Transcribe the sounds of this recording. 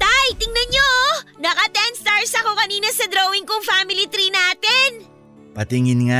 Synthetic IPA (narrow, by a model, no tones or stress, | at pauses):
t̪ajt̪ɪŋnɐnɲonɐkɐt̪ɛnst̪aɹsɐko̞kɐniːnɐsɐd̪ɾowɪŋkoŋfamɪlit̪ɾinaːt̪ɛn | pɐt̪ɪŋɪnŋa